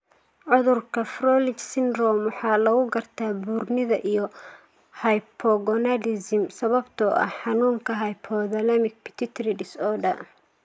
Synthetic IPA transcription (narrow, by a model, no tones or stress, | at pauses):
ʕʊðʊrkʰɐfrɔːlɪt͡ʃsɪnrɔmwɑħɑːlɐɣʊɡɐrt̪ʰaːbuːrnɪðɐʔijɔ | hɐjpʰɔɡɔnɐdɪsɪmsɐβɐbt̪ʰɔʔɐ̰ħɑnuːŋkʰɐɦɐjpʰɔːðɐlɐmɪk̚pʰɪ̥t̪ʰɪt̪ʰɾɪɖɪsɔːɖɐ